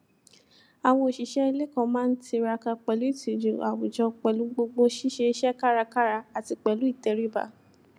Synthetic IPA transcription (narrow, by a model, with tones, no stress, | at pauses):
a˨w̃ɔ̃˧i˨ʃi˨ʃɛ˦i˧le˦kɔ̃˦˨mãː˦n̩˦ti˧ɾa˧ka˧k͡pɛ˨lu˨˦i˦˨ti˨d͡ʒũ˨a˨wu˨d͡ʒɔ˧k͡pɛ˨lu˨˦ɡ͡bo˧ɡ͡bo˧ʃi˦ʃe˧ʃɛ˦ka˦ɾa˧ka˦ɾa˧a˨ti˧k͡pɛ˨lu˨˦i˦˨tɛ˨˧ɾi˦ba̰˨